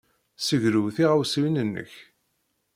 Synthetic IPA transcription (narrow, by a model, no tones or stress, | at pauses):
səʝɾuwθiʁawsiwinənːə̰ç